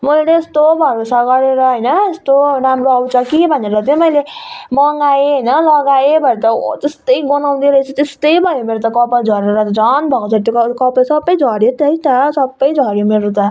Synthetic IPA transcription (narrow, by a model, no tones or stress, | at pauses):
mʌjleːst̪obʱʌɾosaɡʌɾeɾʌɦʌjnʌest̪onamɾoʌwt͡sʌkibʱʌneɾʌt̪omʌjlemʌŋɡaeɦʌjnʌlʌɡaebʱʌjet̪ʌt̪est̪ʌjɡʌnaw̃d̪iɾʌt͡sʰʌt̪est̪ʌjbʱʌjomeɾot̪ʌkʌpad͡zʱʌɾeɾʌt̪d͡zʌnbʱʌkot͡sʰʌt̪jokkʌpʌsʌbːʌjd͡zʱʌɾjot̪ʌit̪ʌsʌbːʌjd͡zʱʌɾjomeɾot̪ʌ